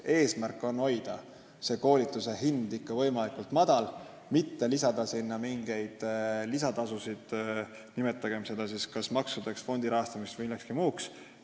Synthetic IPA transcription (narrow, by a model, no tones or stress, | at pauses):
e̞ːsmærkːˑo̞no̞jd̪̥ɑ | se̞ko̞ːlit̪ːˑuse̞ɦind̪ikːɑvɤ̞jmɑlikult̪ˑmɑd̪̥ɑl | mit̪ːe̞lisɑd̪̥ɑsinːɑmiŋɡ̥e̞jd̪̥lisɑt̪ɑsusid̪̥ | nime̞t̪ːˑɑɡ̥e̞mse̞d̪̥ɑsiskɑsmɑksud̪̥eksfo̞nd̪̥iɾɑɦɑst̪ɑmist̪vilːekskimuːks